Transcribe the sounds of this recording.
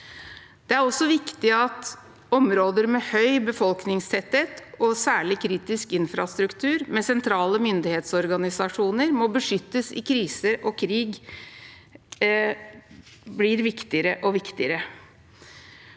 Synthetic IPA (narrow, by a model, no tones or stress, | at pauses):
d̪̥ɛæɾɔsːɔʋɪkt̪ɪɑt̪ | ɔmɾoːd̪əɾmɛhœʏbəfɔlknɪŋst̪ʰɛt̪heːt̪ɔsæːɭɪkʰɾiːt̪ɪskɪnfɾɑst̪ɾʉkt̪ʰʉːɾmɛsɛnt̪ʰɾɑːləmʏnd̪ɪheːt̪sɔɾɡɑnɪsɑʂuːnəɾmɔbəʂʏt̪ːəsɪ̰kʰɾiːsəɾɔkʰɾiːɡ | blɪɾʋɪkt̪ɪəɾəʔɔʋɪkt̪ɪəɾə